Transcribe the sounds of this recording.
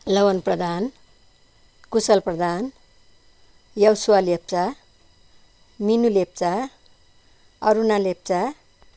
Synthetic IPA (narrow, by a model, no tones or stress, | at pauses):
lʌwʌnprʌd̪ʱan | kusʌlprʌd̪an | jʌwsuwalep̚t͡sa | minulep̚t͡sa | ʌɾunalep̚t͡sa